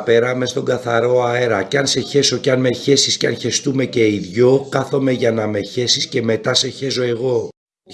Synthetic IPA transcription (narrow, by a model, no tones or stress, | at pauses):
pe̞ɾɐme̞st̪o̞ŋɡɐθɐɾo̞ɐeɾɐceɐnse̞çe̞so̞ceɐnme̞çe̞sisceɐnçe̞st̪ume̞ce̞iðʝo̞kɐθo̞me̞ʝɐnɐme̞çe̞sisce̞me̞t̪ɐse̞çe̞so̞e̞ɣo̞